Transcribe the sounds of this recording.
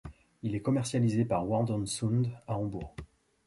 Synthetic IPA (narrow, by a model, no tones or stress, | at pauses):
ilɛkɔmɛʁsjalizepaʁwɔd̪ɔnsund̪aɔ̃buːʁ